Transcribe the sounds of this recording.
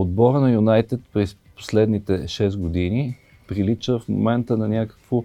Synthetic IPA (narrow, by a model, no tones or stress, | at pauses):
od̪bɔɾənɐjunajt̪ɛt̪pɾɛs | po̥slɛd̪nit̪ɛʃɛst̪ɡod̪ini | pɾilit͡ʃəfmo̰mɛnt̪ənɐnʲakə̥kvo